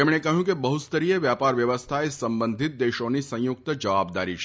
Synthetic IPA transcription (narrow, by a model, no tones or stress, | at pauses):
emɳekəɦjũkebəɦut̪st̪əɾijeʋjapaɾʋjəʋəst̪ʰaesə̃mbə̃nd̪ʱɪt̪̚d̪eʃõnisə̃jʊk̚t̪əd͡ʒəʋab̚d̪a̰ɾit͡ʃʰ